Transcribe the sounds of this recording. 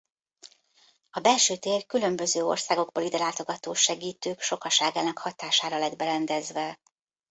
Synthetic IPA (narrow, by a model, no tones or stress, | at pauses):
ɒbɛlʃøːt̪eːrkylø̞mbø̞zøːo̰rsaːɡo̞ɡboːlid̪ɛlaːt̪o̞ɡɒt̪oːʃɛɡiːt̪øːkʃo̞kɒʃaːɡaːnɒkhɒt̪aːʃaːɾɒlɛd̪bɛɾɛnd̪ɛzʋɛ